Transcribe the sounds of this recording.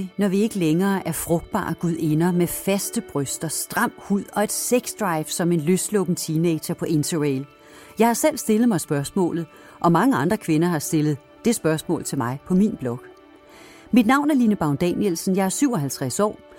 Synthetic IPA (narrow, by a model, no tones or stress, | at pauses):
nɒʋie̝ɡ̥əleŋɐːʔæɐfʁɔ̽ɡ̥̚d̥̚b̥ɑ̰̈ːɡ̥uð̰ˠe̝nɐmefæsd̥əb̥ʁœsd̥ɐsd̥ʁɑ̈m̰huð̰ˠɒ̽e̝d̥seɡ̥sd̥ʁɑ̈ɪfsɒ̽me̝nløsd̥lɔb̥n̩t͡sʰiːneɪ̥ɕɐpʰɒ̽ʔe̝nt͡sʰɐʁeɪl | jɑ̈ɪhɑ̈sel̰sd̥e̝lð̩ˠmɑ̈ɪsb̥ɶɐsmɔ̰̽ːlð̞̩ˠ | ʔɒ̽mɑ̈ŋəɑ̈nd̥ʁɐkʰʋe̝nɐɦɑ̈sd̥e̝lð̞̩ˠ | d̥e̝sb̥ɶɐsmɔ̰̽ːlt͡sʰe̝lmɑ̈ɪpʰɒ̽minb̥lɒ̽ɡ̥ | mid̥nɑ̈ʊ̰næɐlinəb̥ɑ̈ʊnd̥ɛnjelsn̩jɑ̈ɪæɐsyʊ̰ɒ̽ɦælt͡sʰʁasɒ̰ː